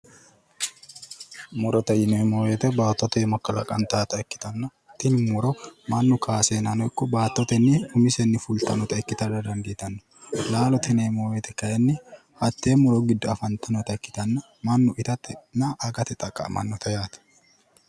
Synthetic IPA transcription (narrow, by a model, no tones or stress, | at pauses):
mɔɾɔt̪ɐjɪneːmoːjɛt̪ɛbaːt̪ːɔt̪emɐkːɐlɐ̰kʼɐnt̪aːt̪ʼɐkːɪ̥t̪ɐnːɐ | t̪ɪnmɔɾɔmɐnːʊkʰaːseːnɐnɔɪkːɔbaːt̪ːɔt̪ɛnːɪʊmɪsɛnːɪfʊlt̪ɐ̰nɔt̪ʼɐɛkːɪt̪ɐrɐd̪ɐnd̪iːt̪ɐnːɔ̥ | laːlɔt̪ɪneːmoːjɛt̪ɛkɐʔɛnːɪ | hɐt̪ːeːmʊɾɔɡɪd̪ːʊɐfɐnt̪ɐnɔt̪ʼɐkːɪ̥t̪ɐnːɐ | mɐnːʊʔɪt̪ɐt̪ːɛnɐʔɐkɐt̪ɛt̪ʼɐkʼːɐ̰mɐ̰nːɔt̪ʰɐjaːt̪ɛ̥